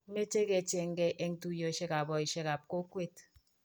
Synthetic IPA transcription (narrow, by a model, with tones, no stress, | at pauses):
me˦t͡ʃe˦ke˨t͡ʃe˨ŋ̩˦ɡe˦ʔe˦ŋ̩˦tu˦jo˦˨ʃe˦ka˨bɔ˨i˨ʃe˦ka˨p̚ko˦kwe˦˨t